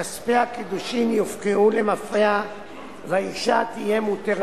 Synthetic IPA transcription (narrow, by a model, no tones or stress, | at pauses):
aspeakid̪uʃimjifkiʔulemafea | vaiʃat̪ije̞mut̪eʁ